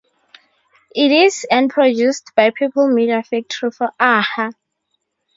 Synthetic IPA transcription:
itizɛ̃npʰɹɔdustb̥ajpʰipəlmidiafik̚tʰɹufɔʔaha

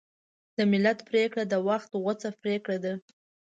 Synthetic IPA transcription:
d̪̥əmɪlat̪pɾekɽad̪əwaxt̪ɣʊt͡sapɾekɽad̪a

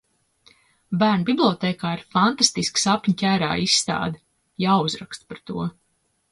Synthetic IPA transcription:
bæːɾnbiblˠʲɔt̪ɛːkaːiɾfant̪ast̪isksapʲɲcʲæːɾa̰ːisːt̪a̰ːd̪ | jaːuzɾakst̪paɾt̪uɔ

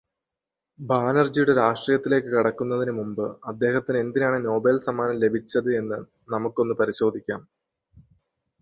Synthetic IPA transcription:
baːnɐrd͡ʑijuɽeɾaːʂʈriːjɐt̪ːile̞ːkːɨkiɽɐkːunːɐðinɨmumbɨɐd̪ːe̞ːhɐt̪ːine̞nd̪inejaːɳɨno̞ːbelsɐmaːnɐmle̞bʱit͡ɕːɐðɨe̞nːɨ | nɐmukːo̞nːɨpɐɾiɕo̞ːd̪ʱikʲːa̰ːm

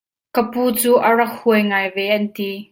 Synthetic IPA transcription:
kəpuːt͡suːʔɐrɐk̚huəjŋaːjvɛʔɐnt̪i

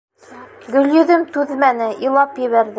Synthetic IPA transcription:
ɡɵ̆ljɵ̆ðɘmt̪ʉðmænɘʔilˠɑpjɘ̆βæɾðɘ

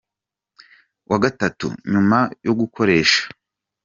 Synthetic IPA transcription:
wʔaɡatatṵɲumajoɡukʰo̞ɾe̞ːʃḁ

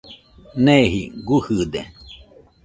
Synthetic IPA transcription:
neɦḭɡuhɨd̪e

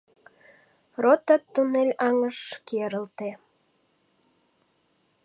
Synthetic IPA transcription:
rot̪ɑt̪ːunelʲɑŋəʃkeɾəlt̪e

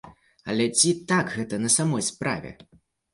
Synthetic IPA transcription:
ɐ̰lʲɛt͡sʲit̪akɣɛt̪ɐnɐsamɔjspɾa̰vʲɛ̰

